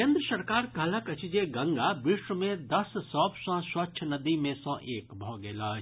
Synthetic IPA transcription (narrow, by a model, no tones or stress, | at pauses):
kẽːnd̪ɾəsɐɾkaːɾkɐləkɐt͡ʃɪd͡ʒeɡɐ̃ŋɡabɪʃwəmẽd̪ɐsːɔ̃ːbsɔ̃swɐʃʰnɐd̪imẽsɔ̃ːʔeːkbʱɔːɡeːlaː